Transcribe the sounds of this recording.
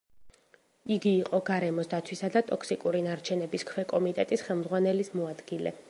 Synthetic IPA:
iɡiːqʼɔɡaɾɛmɔsd̪at̪sʰwisad̪at̪ʼɔksikʼuɾinaɾt͡ʃʰɛnɛbiskʰwɛkʼɔmit̪ʼɛt̪ʼisχɛlˠmd̪zʁwanɛlismɔad̪ɡilɛ̰

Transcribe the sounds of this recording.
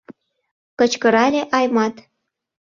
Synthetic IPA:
kɤ̆t͡ɕkə̆ɾɑlʲeʔɑjmɑt̪

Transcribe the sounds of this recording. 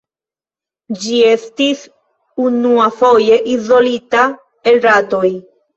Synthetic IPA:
d͡ʒie̞stis | unuafo̞je̞ʔizo̞lita | elɾato̞j

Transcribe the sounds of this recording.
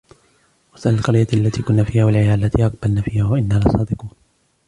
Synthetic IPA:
wasʔalalqɑɾjaʔalːat̪iːkʊnːaːfiːhaːwalʕɪjaːʔlːat̪iːʔɑq̚balnaːfiːhaːwaʔɪnːaːlɑsˤɑːd̪ɪquːn

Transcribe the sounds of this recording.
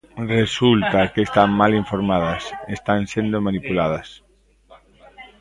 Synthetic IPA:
result̪akest̪aŋmaliɱfoɾmaðɐsest̪ansend̪omanipulað̞ɐs

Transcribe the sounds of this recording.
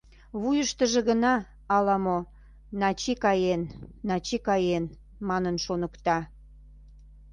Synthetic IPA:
βujəʃt̪əʒĕɣənɑː | lɑmo | nɑt͡ɕikɑjenːɑt͡ɕikɑjen | mɑnənʃonəkt̪ɑ

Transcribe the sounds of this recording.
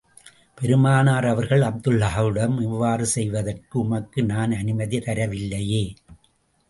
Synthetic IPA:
pɛɾɯmaːnaːɾɐʋɐɾɣɐɭɐb̚d̪ɯlːɐɦɐʋɯɽɐmɪʋːaːɾɯsɛjʋɐðɐrkɯʊmɐkːɯnaːnɐnɪmɐðit̪ɐɾɐʋɪlːɐjeː

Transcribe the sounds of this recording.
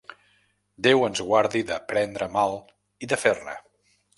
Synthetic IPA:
d̪ewənzɣwaɾðiðəpɾɛnd̪ɾəmalˠ | iðəfernə̰

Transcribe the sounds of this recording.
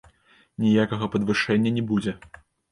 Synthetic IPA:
nʲijakɐɣɐpɐd̪vɨʂɛnʲːɐnʲɛbud͡zʲɛ

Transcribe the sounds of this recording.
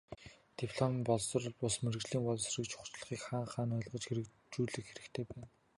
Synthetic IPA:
t̪ipʰɮɔmmpɔɮsə̆r̆ɮpʊsmerɘɣt͡ɕɮiːŋpɔɮsrĭkt͡ɕʰʊ̥χt͡ɕ̆ɮ̆χiːkχaːɴχaːnɔɮʁɞ̆t͡ɕxeɾɘ̆k | t͡ɕuːɮɘ̆kxeɾɘ̆kt̪ʰeːpæːn

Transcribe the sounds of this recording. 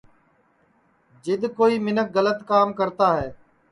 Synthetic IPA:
d͡ʒɪd̪koːiːmɪnək̚ɡələt̪kaːmkəɾt̪aːɦɛː

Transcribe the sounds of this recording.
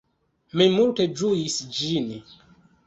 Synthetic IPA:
mimulted͡ʒujisd͡ʒin

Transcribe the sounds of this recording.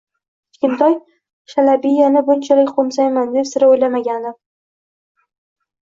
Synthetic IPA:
t͡ʃ̪kʲɪnt̪ʰɒj | ʃalabijanɪbʊnt͡ʃʰalɪkʲqʰomsajmand̪e̞psɪɾaojlamaɡʲand̪ɪ

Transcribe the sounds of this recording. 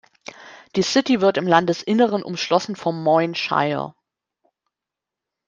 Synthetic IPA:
d̥iːsɪtivɪɐtɪmlandəsʔɪnəʁ̞ənʔʊ̰mʃlɔsn̩fɔmːɔʏnʃa̰ɪɐ̰

